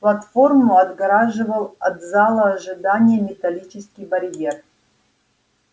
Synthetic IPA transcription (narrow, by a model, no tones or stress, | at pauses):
plˠɐt̪fo̞rmuɐd̪ɡɐɾaʐɨvəlˠɐt̪zalˠəːʐɨd̪anʲɪjəmʲɪt̪ɐlʲit͡ʃɪskʲɪjbɐɾʲjer